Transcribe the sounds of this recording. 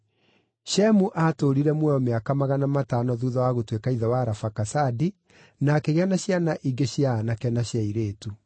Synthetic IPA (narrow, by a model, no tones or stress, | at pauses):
ɕɛmuʔatoɾiɾɛmwɛɔmeakamaɣanamatanɔðuːðɔwaɣotwekaiðɛwaːɾafakasadi | nakeɣeanaɕjanaʔiɡeɕjanakɛnaɕjaiɾeːtu